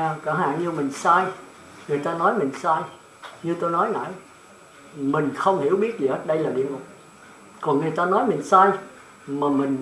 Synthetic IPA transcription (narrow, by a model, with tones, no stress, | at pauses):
kaː˧˩ɦa̰ː˧˨nɲɨ˧mï˨˩ŋ̟saː˧j | ŋɨ˨˩əjt̪aː˧nɔ˨˦jmï˨˩ŋ̟saː˧j | ɲɨ˧t̪o˧jnɔ˨˦jŋa̰ː˧˨j | mï˨˩ŋ̟xə˧wŋ͡mhi˧˩əwɓi˦˥ət̚zi˨˩həː˦˥t̚ɗə˧jlaː˨˩ɗḭ˧˨ənmʊ˨˩k͡p̚ | kɔ˨˩nŋɨ˨˩əjt̪aː˧nɔ˨˦jmï˨˩ŋ̟saː˧j | maː˨˩mï˨˩ŋ̟